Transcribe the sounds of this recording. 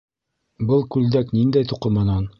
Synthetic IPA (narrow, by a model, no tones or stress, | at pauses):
bɤlˠkʉld̪æknind̪æjt̪uqɤ̆mɤnɑn